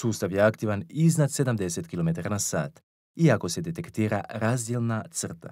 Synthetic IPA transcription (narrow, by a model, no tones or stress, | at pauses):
suːst̪aʋjeakt̪iʋaniznad̪se̞d̪amd̪e̞set̪kilo̞me̞t̪aɾanasa̰ːt̪ | iako̞se̞d̪e̞t̪e̞kt̪iːɾaɾazd̪jelnat̪sr̩t̪a̰